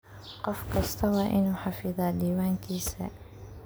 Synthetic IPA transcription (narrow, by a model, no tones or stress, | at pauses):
qɔfkast̪ʰawaːʔɪnuħafɪðˤad̪iːwaːnkʰiːsa̰